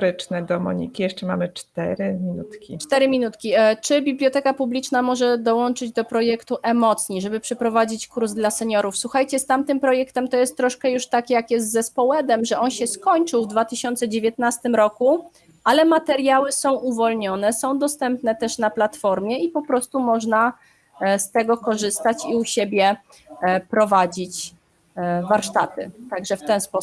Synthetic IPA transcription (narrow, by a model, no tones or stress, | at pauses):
ɾɘt͡ʂnɛd̪ɔmɔ̰ɲḭkʲijɛʂt͡ʂɛma̰mɘt͡ʂt̪ɛ̰ɾɘmʲinut̪kʲḭt͡ʂt̪ɛɾɘmʲinut̪kʲit͡ʂɘbʲiblʲjɔt̪ɛkapublʲit͡ʂnamɔʐɛd̪ɔwɔnt͡ʂɘd͡ʑd̪ɔpɾɔjɛkt̪uʔɛmɔt̪sɲiʐɛbɘpʂɛpɾɔvad͡ʑit͡ɕkuɾzd̪lasɛɲɔɾufswuxajt͡ɕɛst̪amt̪ɘmpɾɔjɛkt̪ɛmt̪ɔjɛst̪ːɾɔʂkɛjuʂt̪akʲjakjɛst̪zɛspɔwɛd̪ɛmʐɛɔnɕɛskɔɲt͡ʂɘwvd̪vat̪ɘɕɔnt̪sɛd͡ʑevʲjɛt̪̚nast̪ɘmɾɔku | ʔalɛmat̪ɛɾjawɘsɔ̃w̃ʔuvɔlɲɔnɛsɔ̃w̃d̪ɔst̪ɛmpnɛt̪ɛʂnaplat̪fɔɾmʲjɛipɔpɾɔst̪umɔʐna | st̪ɛɡɔkɔʐɘst̪at͡ɕiuɕebʲjɛ | pɾɔvad͡ʑit͡ɕ | vaɾʂt̪at̪ɘ̰t̪aɡʐɛft̪ɛnspɔ